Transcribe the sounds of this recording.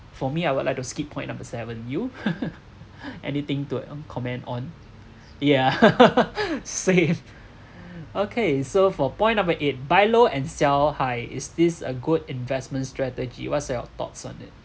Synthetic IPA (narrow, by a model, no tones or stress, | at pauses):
fɔmiajwudlaɪk̚tuskipʰːɔ̃ɪ̃nːãmbəsɛvə̃nju | ʔɛ̰nit̪ɪ̃ŋtukʰɔmɛ̃ndɔ̃n | ja | sẽm | okʰesofɔpɔ̃ɪ̃nːãmbəʔet̚baɪloɛ̃nsɛlhaɪɪ̰sdɪsə̰ɡudĩnvɛsmə̃ntstɹɛtəd͡ʒḭwɔtsaə̰t̪ɔ̰tsɔ̰̃nɪ̰t̚